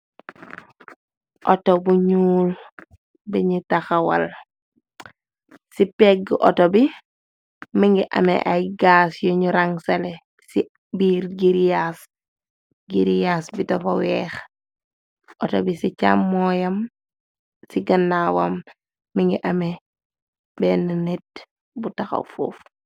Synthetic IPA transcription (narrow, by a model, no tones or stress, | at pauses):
ʔɔtobuɲuːl | bɛɲutaxawɐ̰l | sipɛɡʔɔ̰tobi | miŋɡiʔɐ̰mɛ̰ʔajɡasjɔɲuɾaŋsale | si | biːɾɡiɾjaːs | ɡiɾijaːsbitɔfɐwɛːx | ʔɔtobisit͡ʃamːɔjɐm | siɡɐnːawamː | iŋɡiʔɐme | bɛnɐnet̚ | butɐxɐ̰foːf